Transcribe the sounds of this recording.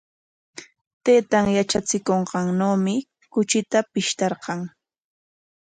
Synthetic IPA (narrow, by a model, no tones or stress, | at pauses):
t̪eːt̪aŋjat͡ʃat͡sɪkoɴqɑŋnoːmɪ | kʊt͡ʃɪt̪apɪʃt̪ɑɾqɑŋ